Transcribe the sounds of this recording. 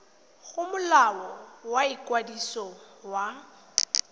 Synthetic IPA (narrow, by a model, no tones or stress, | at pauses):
ɣʊmʊlawɔwaikʼwadisɔ | wa